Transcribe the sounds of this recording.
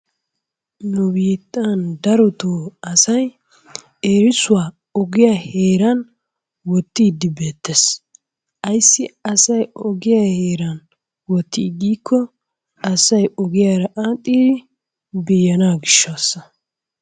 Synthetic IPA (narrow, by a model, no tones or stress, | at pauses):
nʊbiːt̪ʼːand̪ɐɾɔt̪oːɐsɐj | eːɾɪsʊwaː | ɔɡɪjaheːɾɐn | wɔt̪ːiːd̪ɪbeːt̪ːes | ɐjsːɪɐsɐjɔɡɪjahe̞ːɾɐn | wɔt̪ːiːɡiːkʰːɔ | ɐsɐjɔɡɪjaːɾɐʔaːt̪ʼːiːd̪ɪ | bijːɐnaːɡɪʃːaːsːɐ